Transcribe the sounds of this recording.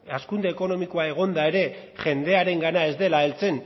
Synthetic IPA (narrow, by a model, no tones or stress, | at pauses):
askund̪e̞ːko̞no̞miko̞ae̞ɣ̞o̞nd̪ae̞ɾe̞ | ʝe̞nd̪e̞aɾe̞ŋɡanae̞zd̪e̞laelt͡se̞n